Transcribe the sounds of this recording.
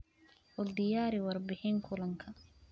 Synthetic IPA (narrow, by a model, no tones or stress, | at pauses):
wɔld̪ɪjaːɾɪwɑrbɪħɪŋkʰʊlɐŋkʰɐ